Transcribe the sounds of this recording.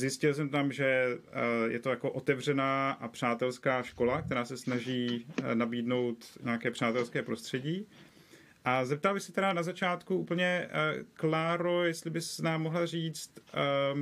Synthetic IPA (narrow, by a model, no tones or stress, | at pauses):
zjɪscɪlsɛmt̪amʒɛ | jɛ̰t̪o̞jako̞ʔo̞t̪ɛvr̝ɛnaːʔapr̝̥aːt̪ɛlskaːʃko̞lakt̪ɛɾaːsɛsnaʒiːnabiːdno̞wt̪ɲaakɛːpr̝̥aːt̪ɛlskɛːpɾo̞st̪r̥ɛɟiː | ʔazɛp̚t̪albɪxsɛt̪ɛɾanazat͡ʃaːt̪kuʔuːpl̩ɲɛklaːɾo̞jɛst̪lɪbɪsnaːmːoɦlariːt͡st̪